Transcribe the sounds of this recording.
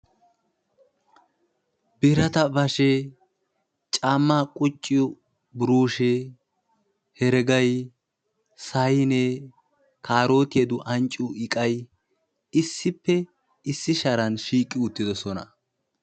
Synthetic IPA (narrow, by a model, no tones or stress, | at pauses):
bɪɾɐt̪ɐbɐʃe | t͡ʃʼaːmːaːkʼʊt͡ʃʼːɪjɔ | bʊɾuːʃe | hɛɾɛɡɐj | sɐjneː | kʰaːɾo̞ːt̪ɪjɐd̪ʊʔɐnt͡ʃʼːuʔɪkʼɐj | ɪsːɪpːɛ | ɪsːɪʃɐɾɐnʃiːkʼːɪʊt̪ːɪd̪ɔsɔnɐ̰